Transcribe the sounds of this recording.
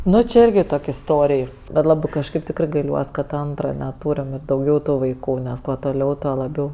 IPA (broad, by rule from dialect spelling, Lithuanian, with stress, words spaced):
ˈnʊ t͡ʃʲɪ ˈɪrʲɡʲɪ ˈtoːkʲ ɪsˈtoːrʲɪj bʲɛt ˈlˠɑːbɜ kɐʃˈkɐɪp ˈtʲɪkrɜ ɡɐɪˈlʲuɔs kɐt ˈɐntrɐ nʲɛˈtuːrʲɪm ɪr dɐʊˈɡʲɛʊ ˈtuː ʋɐɪˈkuː nʲɛs ˈkuɔ toːˈlʲɛʊ ˈtuɔ lˠɐˈbʲɛʊ